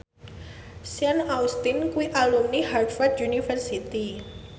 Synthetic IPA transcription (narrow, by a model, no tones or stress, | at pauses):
sjanaust̪inkuiʔalumnihard̪fard̪unifərsit̪i